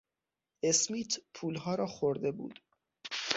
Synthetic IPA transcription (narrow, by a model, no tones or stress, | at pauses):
ʔe̞smiːt̪ʰpʰuːlɦɒːɾɒːxoɾd̪e̞bṵːd̪̥